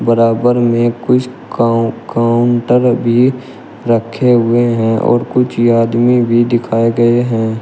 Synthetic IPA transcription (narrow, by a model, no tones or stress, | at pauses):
bəɾaːbəɾmẽkʊt͡ʃʰ | kaːʊɳʈəɾbʱi | ɾəkʰːeɦʊeɦɛ̃ʔɔ̰ːɾkʊt͡ʃʰaːd̪mibʱid̪ɪkʰaːeɡɐeɦɛ̃ː